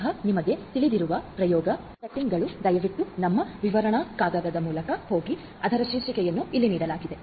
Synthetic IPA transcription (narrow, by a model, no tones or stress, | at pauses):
ɦɐnimɐɡe̞t̪iɭid̪iɾuʋɐpɾɐjɔːɡɐ | sɐʈːiŋɡɐɭud̪ɐjɐʋiʈ̪ːunɐmːɐʋiʋɐɾɐɳɐkaːɡɐd̪ɐd̪ɐmuːlɐkɐho̞ːɡi | ɐd̪ʱɐɾɐʃiːɾʃikɛjɐnːuilːiniːɽɐlaːɡid̪e̞